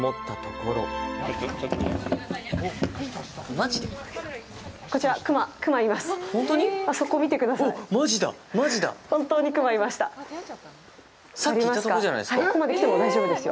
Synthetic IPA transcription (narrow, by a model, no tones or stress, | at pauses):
mot̪ːat̪okoɾo̰ | o | mad͡ʑid̪e | ko̞t͡ɕiɾakɯ̟makɯ̟maimasɨ̥õnt̪oɲiaso̞koːmʲit̪e̞kɯ̟d̪asaoimaʑid̪a̰maʑid̪a̰hõ̞nt̪o̞ːɲ̟ikɯ̟maimaɕi̥t̪a̰ | saaɾʲiimasasokaoʑana̰jd̪esakkokomad̪ekit̪emo̞d̪aiʑo̞ːbɯd̪e̞sɨjo̰